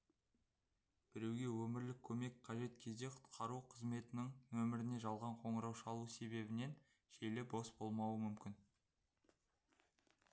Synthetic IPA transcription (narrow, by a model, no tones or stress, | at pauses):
b̥ɪɾe̞wɡʲe̞wɵmɪɾlɪkʲʰːɵme̞kʲqʰɑʒe̞t̪kʲʰe̞zd̪e̞qʰʊ̥t̪qʰɑɾuqʰəzme̞t̪ɪnɪŋwɵmɪɾɪne̞ʒɑlˠʁɑɴqʰo̞ɴəɾɑwʃəɑlˠuse̞be̞bɪne̞n | ʒelɪbosb̥o̞lˠmɑwəmʏmkʲɪn